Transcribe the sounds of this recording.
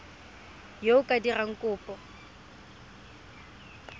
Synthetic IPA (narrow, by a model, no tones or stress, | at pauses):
joʊkʼadiraŋ̩kʼʊːpʼɔ